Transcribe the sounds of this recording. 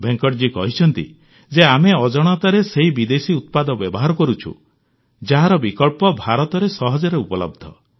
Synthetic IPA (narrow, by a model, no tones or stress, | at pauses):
beŋkɔʈd͡ʒikɔɦit͡ʃʰɔnt̪ḭ | d͡ʒeameɔd͡ʒɔɽ̃ɔt̪aɾeseɦibid̪esiut̪̚pad̪ɔbjɔbɔɦaɾɔkɔɾut͡ʃʰṵ | d͡ʒaɦaɾɔbikɔlpɔbʱaɾɔt̪ɔɾesɔɦɔd͡ʒɔɾeupɔlɔ̰b̚d̪ʱɔ